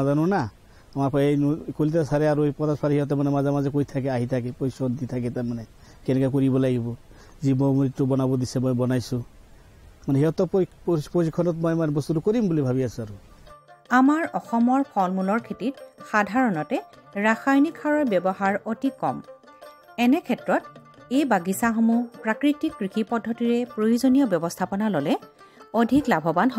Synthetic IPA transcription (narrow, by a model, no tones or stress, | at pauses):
azanʊna | amapʰejkolitasaɾɛaɹupɔtaspʰaɾɛhiɦɔt̬ɔmanɛmazamazɛkojtʰakɛaɦitʰakɛpɔjsɔnt̪itʰakɛtamanɛ | kɛnɛkakoɹibɔlaɡibɔ | zimɔmuɹitːubɔnabɔd̪isɛmɔjbɔnajsʊ̃ | manɛɦiɦɔt̪ɔppposikʰːɔnɔtmɔjmanɛbɔst̪utukoɹimbulibʱaβiasũaɾu | amaɹɔxɔmɔɹpʰɔlmulɔɹkʰetitxadʱaɹɔnɔtɛ | ɹaxajnikʰːaɹɔɹbjɔbɔhaɹotikːɔm | ɛnɛkʰɛtɹɔt | ejbaɡisaxɔmupɹakɹiktikːɹikʰipɔdʱːɔtiɹɛpɹojuzonijɔbjɔbɔstʰapɔnalɔlɛ | odʱiklabʱɔbanɦɔ